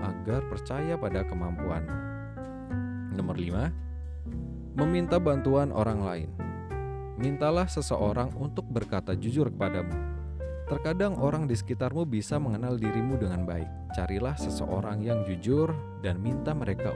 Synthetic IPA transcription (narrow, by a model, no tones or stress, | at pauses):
ʔaɡarpərt͡ʃajapadakəmampua̰n | nɔmərlima | məmint̪abant̪uanʔo̰ɾaŋla̰ɪ̰n | mint̪alahsəsəʔoɾaŋunt̪ʊk̚bərkat̪ad͡ʒud͡ʒʊrkə̥padamu | t̪ərkadaŋoɾaŋdisə̥kit̪armubisaməŋənaldiɾimudəŋanba̰ɪ̰k̚t͡ʃaɾilahsəsə̰ʔo̰ɾaŋjaŋd͡ʒud͡ʒʊr | danmint̪aməɾeka